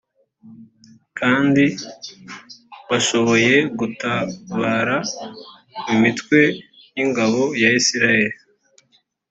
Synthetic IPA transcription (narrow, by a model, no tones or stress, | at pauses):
kʰaːndi | βaʃo̞βo̞je̞ɡutaβaːɾa | mimitkwe̞ | jiŋɡaβo̞jaisiɾaje̞ɾi